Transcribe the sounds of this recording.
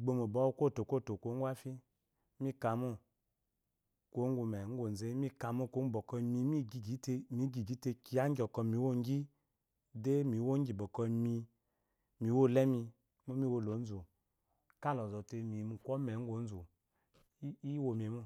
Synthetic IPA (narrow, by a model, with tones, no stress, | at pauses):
ɡ͡bo˧mo˨bɔ˨˦kʷo˦˨to˨kʷo˦˨to˨kʷo˨˦ŋ˦ɡʷwa˦fi˦ | mi˦ka˨mu˦ | ko˨˦ŋ˦ɡʷu˧mɛ˨ŋ̩˦ɡʷo˨n˨ze˦mi˦ka˨mu˦˨ko˦˨bɔ˨kɔ˧mi˧˦mi˦ɡi˨ɡi˨˦te˧mi˨˦ɡi˨ɡi˨˦te˧ki˧a˦ŋ˦ɡʲɔ˨kɔ˧mi˨˦wo˦˨ŋ˦ɡi˦ | de˦mi˨wo˦ŋ˦ɡi˨bɔ˨kɔ˧mi˧ | mi˨˦wo˦˨lɛ˦mi˧ | mo˦mi˦wo˧lo˨˦n̩˦zo˨ | ka˦lɔ˨zɔ˨te˧mi˨mu˨kʷɔ˦mɛ˨˦ŋ̩˦ɡʷo˨˦n̩˦zo˨˦ | i˦wo˧˨m˨e˨mu˦˨